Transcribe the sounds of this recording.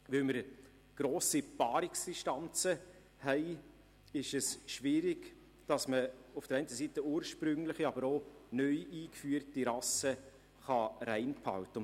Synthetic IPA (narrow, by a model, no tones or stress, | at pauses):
ʋøməɾ | ɡ̥ɾoːsipɑːɾɪksd̥ɪʃtɑnt͡sə | hɛɪ | ɪʃɛsʃʋɪːɾɪɡ | d̥ɑsməʊfd̥əɾɛɪnt̪əsiːtəuːɾʃpɾʏŋləχiɑbəɾoːnœʏiːkfyːərtiɾɑsə | χɑɾɛɪnpʰhɑ̰wtə